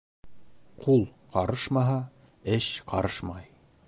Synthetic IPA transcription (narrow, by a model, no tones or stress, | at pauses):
qʰulˠqɑɾɤʃmɑɦɑ | ɘʃqɑɾɤʃmɑj